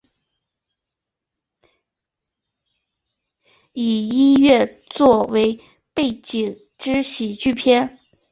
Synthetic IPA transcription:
i˨˩i˥nɥɛ˥˧ | t͡swɔ˥˩we˧˥ɪ | pe˥˩ɪt͡ɕi˨˩ŋ | ʈ͡ʂɻ̩˥ɕi˨˩t͡ɕy˥˩pʰjɛ˥n

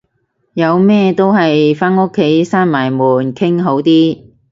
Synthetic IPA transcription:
jɐ˨˧wmɛː˥t̪o˥wɦɐ˨jfaː˥no˥kʰːe˨˥jsaː˥nmaː˨˩jmuː˨˩nkʰɪ˥ŋɦo˨˥wt̪iː˥

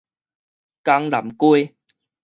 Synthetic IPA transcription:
ka˧ŋla̰˨˩mku˦

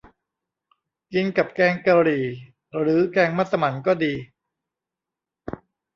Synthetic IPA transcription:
ki˧nka˨˩p̚kɛː˧ŋka˧ɾiː˨˩ | ɾɯː˩˦kɛː˧ŋma˥˩t̪sːa˧ma˩˦nkɔː˥˩diː˧

